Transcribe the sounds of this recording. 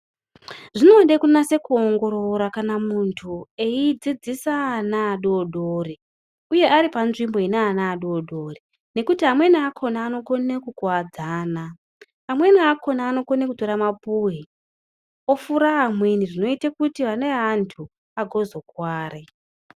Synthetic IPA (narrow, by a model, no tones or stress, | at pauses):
ʐino̞ɗekunase̞kuoŋɡo̞ɾoɾakanamuntʰue̞id͡zid͡zisaːnaːɗoːɗori | uje̞ʔaɾipanʐimbo̞ineːnaːɗoːɗo̞ri | ne̞kutiɦamwe̞niakʰo̞naːno̞ko̞nekukwad͡zaːna | amwe̞niakʰo̞naːno̞konekuto̞ɾamapuɦi | o̞fuɾaɦːmweniʐino̞itekutiʋaneɦantʰu | aɡʱo̞zo̞kwaːre